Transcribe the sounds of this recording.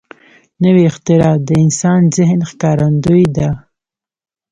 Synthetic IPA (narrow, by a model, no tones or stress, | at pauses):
nəwiːxt̪ɪɾɑd̪əɪnsɑnzɪɦnxkɑɾand̪ujd̪a